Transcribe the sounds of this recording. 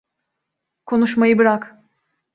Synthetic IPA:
kʰo̞nuʃmajɯbiɾak

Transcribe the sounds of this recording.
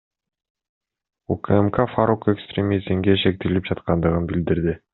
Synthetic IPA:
ukəemkafaɾoke̞kst̪ɾʲemʲizmɡeʃe̞k̚t̪ilip̚d͡ʒɑt̪qɑnd̪ɯʁɯnbild̪iɾd̪ɪ

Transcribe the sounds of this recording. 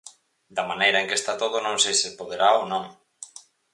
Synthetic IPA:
d̪ɐmanejɾɐẽŋkest̪at̪oð̞ʊnõŋsejsɪpoðeɾaonõŋ

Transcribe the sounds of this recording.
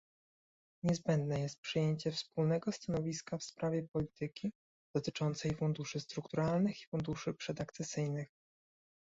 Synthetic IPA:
ɲɛzbɛnd̪nɛjɛst̪̚pʂɘjeɲt͡ɕɛfspulnɛɡɔst̪anɔvʲiskafspɾavʲjɛpɔlʲit̪ɘkʲi | d̪̥ɔt̪ɘt͡ʂɔnt̪sɛjfund̪uʂɘst̪ɾukt̪uɾalnɘxi̥fund̪uʂɘpʂɛd̪akt̪sɛsɘjnɘx

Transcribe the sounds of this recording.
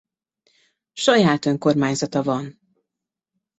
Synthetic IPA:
ʃɒjaːt̪ø̞ŋko̞rmaːɲzɒt̪ɒvɒn

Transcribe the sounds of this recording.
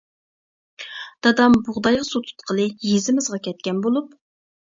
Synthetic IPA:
d̪̥ɑd̪ɑmbʊʁd̪ɑjʁɑsot̪ʰu̥t̪qʰəlˠɨjezɪmɪzʁɑkʲʰɛt̪̚kʲɛnbolˠup

